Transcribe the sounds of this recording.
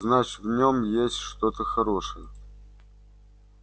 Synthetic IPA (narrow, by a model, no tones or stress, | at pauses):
znat͡ɕɪvnʲomjesʲtʲʂt̪ot̪əxɐɾo̞ʂɨjə